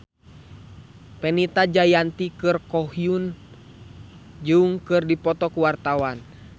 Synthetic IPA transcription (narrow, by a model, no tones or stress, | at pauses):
pɛnit̪ad͡ʒajant̪ikɨrkɔhiun | d͡ʒuŋkɨrdipɔt̪ɔkuwart̪awan